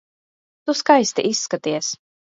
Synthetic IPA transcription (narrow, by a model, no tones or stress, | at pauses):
t̪uskajst̪iʔisːkat̪iɛs